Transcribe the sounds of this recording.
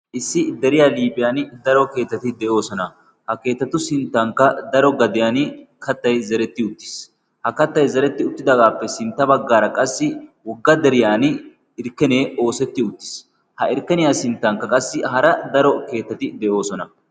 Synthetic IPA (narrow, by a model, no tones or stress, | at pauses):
ʔɪsːɪd̪ɛɾɪjaːliːbɪjaːnd̪ɐɾɔke̞ːt̪ːɐt̪ɪd̪ɛʔo̞ːsɔnɐ | hɐke̞ːt̪ːɐt̪ʊsɪnt̪ːɐŋkːɐd̪ɐɾɔɡɐd̪ɪjaːnkɐt̪ːɐjzɐɾɛt̪ːɪʊt̪ːɪ̥s | hɐkɐt̪ːɐjzɐɾɛt̪ːɪʊt̪ːɪd̪ɐɡaːpːɛsɪnt̪ːɐbɐɡːaːɾɐkʼɐsːɪwɔɡːɐd̪ɛɾɪjaːn | ɪɾkːɛneːo̞ːsɛt̪ːɪʊt̪ːɪ̥s | hɐɪɾkːɛnɪjaːsɪnt̪ːɐŋkːɐkʼɐsːɪɦɐɾɐd̪ɐɾɔke̞ːt̪ːɐt̪ɪd̪ɛʔo̞ːsɔnɐ